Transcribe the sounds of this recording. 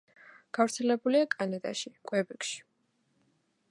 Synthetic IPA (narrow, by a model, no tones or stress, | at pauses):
ɡ̥avɾt̪sʰɛlɛbuliakʼanad̪ʼa̰ʃikʼwɛbikʃi̥